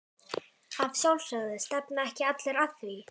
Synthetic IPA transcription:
avsjawlsœɣðɪst̪ɛpnaɛhcɪat̪lɛɾaθθi

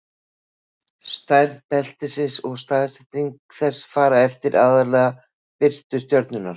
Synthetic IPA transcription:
st̪ajɾðpɛl̥t̪ɪsɪnsɔɣst̪aːðsɪt̪iŋkθɛsːfaːɾaɛft̪ɪɾʔaːðaɾlɛːɣa | pɪr̥t̪ʏ̥st̪jœɾt̪nʏnːaɾ̥

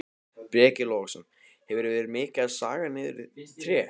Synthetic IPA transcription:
pɾɛːcɪloɣsɛm | hɛvʏɾvɛːɾɪɾmɪːcaðsa̰ːɣanɪðɪɾɪt̪ʰɾɛː

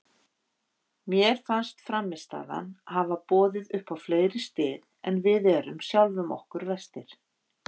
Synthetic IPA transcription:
mjɛɾ̥fanst̪fɾamːɪst̪a̰ːða̰nhavapɔːðɪðʏhpawfleːjɾɪst̪ɪːðɛnvɪðɛɾʏmsjawlvʏmɔ̰hkʏɾvɛst̪ɪɾ̥

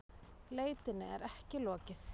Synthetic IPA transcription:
leːjt̪ɪnːɪɛ̰ɾɛhcɪlɔːcɪθ

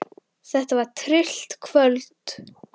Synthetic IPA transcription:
θɛht̪avaɾ̥t̪ʰɾɪl̥t̪kʰvœlt̪

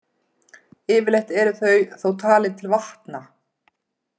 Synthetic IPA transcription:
ɪːvɪlejht̪ɛɾʏθœɥθowt̪ʰaːlɪnt̪ʰɪlvaht̪na

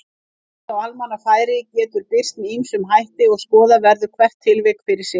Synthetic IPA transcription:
θawalmanafaːjɾɪcɛːt̪ʏɾpɪr̥t̪mimsʏmɦajht̪ɪɔɣskɔːðavɛɾðʏkʰvɛr̥t̪ʰːɪlvɪkfɪɾɪɾ̥sɪ

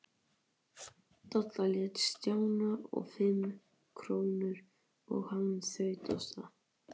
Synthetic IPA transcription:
t̪ɔt̪laljɛt̪st̪jaːwnaɔ̰ɣfɪm | kʰɾoːwnʏɾ̥ | ɔ̰ɣhansœɥt̪ɔst̪a

